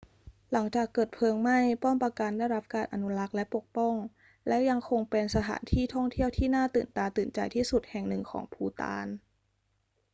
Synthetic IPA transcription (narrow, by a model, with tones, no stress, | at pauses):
la˩˦ŋt͡ɕaː˨˩kːɤː˨˩t̪̚pʰɤː˧əŋma˥˩jpɔ˥˩mpa˧ka˧ndaː˥˩jɾa˦˥p̚kaː˧nʔa̰˧nu˦˥la˦˥k̚lɛ˦˥po˨˩k̚pɔ˥˩ŋ | lɛ˦˥ja˧ŋkʰo˧ŋpe˧nsa˧t̪ʰa̰ː˩˦nt̪ʰiː˥˩t̪ʰɔ˥˩ŋt̪ʰi˥˩əwt̪ʰiː˥˩naː˥˩t̪ɯː˨˩nt̪aː˧t̪ɯː˨˩nt͡ɕa̰˧jt̪ʰiː˥˩su˨˩t̪̚hɛ˨˩ŋnɯ˨˩ŋkʰɔ̰ː˩˦ŋpʰuː˧t̪a̰ː˧n